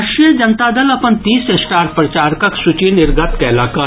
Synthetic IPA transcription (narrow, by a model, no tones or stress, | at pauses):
ʃijəd͡ʒɐnt̪ad̪ɐlɐpənt̪iːsesʈaːɾpɾɐt͡ʃaːɾkɐksʊt͡ʃinɪɾɡət̪kɛːlaːkɐ